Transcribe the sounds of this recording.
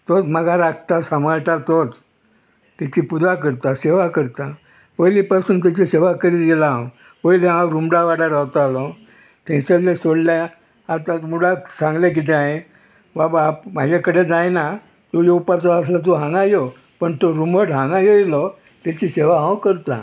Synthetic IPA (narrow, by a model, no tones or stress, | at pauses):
t̪ot̪məɡaɾakt̪asamaɾʈat̪ot͡s | t̪at͡ɕipudakəɾt̪aseʋakəɾt̪a | pəjlipasuːnt̪̬at͡ɕiseʋakəɾiɡelã | pəjlẽɦãwɾumɽaʋaɽaɾawt̪alɔ | t̪ʰɛ̃səlẽsoɽlja | at̪ãmuɽasãŋɡlak̬it̪̬ẽaɦe | babamad͡ʑekəɽed͡zajna | t̪ojeupaɾt͡sɔːslat̪̬oɦãŋɡajɔ | pəɳt̪oɾumbəʈɦãŋɡajojilɔ | t̪at͡ɕiɕeʋaɦãwkəɾt̪a̰